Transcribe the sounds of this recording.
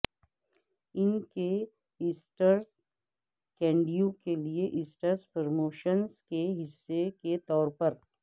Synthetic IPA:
ɪnke | ɪsʈəɾs | kɛ̃ːɳɖijõkelieʔɪsʈəɾspəɾmoːʃənzkeɦɪsːeket̪ɔːɾpɐɾ

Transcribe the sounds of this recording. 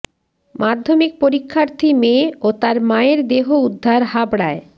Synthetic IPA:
mʔad̪ʱːomik̚poɾikʰːaɾt̪ʰimeot̪aɾmaeɾd̪eɦoud̪ʱːaɾɦabɽae

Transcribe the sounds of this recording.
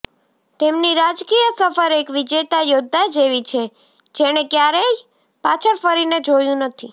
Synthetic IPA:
t̪emniɾad͡ʒkijəsəfəɾekʋid͡ʒet̪ajod̪ʱːad͡ʒeʋit͡ʃʰe | d͡ʒeɽ̃ekjaɾe | pat͡ʃʰəɾfəɾined͡ʒojũnət̪ʰi

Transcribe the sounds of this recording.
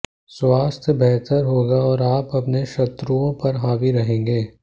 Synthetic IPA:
swaːst̪ʰjəbɛɦt̪əɾɦoːɡaɔːɾaːpɐpneʃɐt̪ɾuõpɐɾɦaːʋiɾɐɦẽːŋɡeː

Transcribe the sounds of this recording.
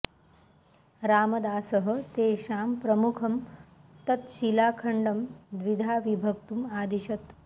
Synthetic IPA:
ɾaːmɐd̪aːsəɦə̆t̪eːɕaːmpɾəmukʰɐmt̪ɐt̪ɕilaːkʰəɳɖɐmd̪ʋid̪ʱaːʋibʱɐk̚t̪umaːd̪iɕɐt̪

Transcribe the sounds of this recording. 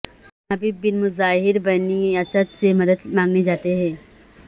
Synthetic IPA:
ɦɐbiːbbːɪnmʊzaːɦɪɾbɐniasət̪semɐd̪əd̪mãːŋɡned͡ʒaːt̪eɦɛ̃

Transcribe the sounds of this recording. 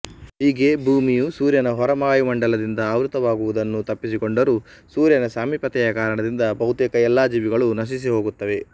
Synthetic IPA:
ɦiːɡe̞bʱuːmijusuːɾjɐnɐɦɔɾɐmaːjumɐɳɖɐlɐd̪ind̪ɐːʋɾut̪ɐʋaːɡuʋud̪ɐnːut̪ɐpːisiko̞ɳɖɐɾusuːɾjɐnɐsaːmipɐt̪ɛjɐkaːɾɐɳɐd̪ind̪ɐbɐwut̪ekɐɛlːaːd͡ʒiːʋiɡɐɭunɐʃ̬is̬iɦo̞ːɡut̪ːɐʋe̞

